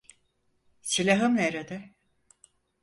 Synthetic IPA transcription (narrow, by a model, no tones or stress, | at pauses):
silʲaɦɯmneɾed̪ɛ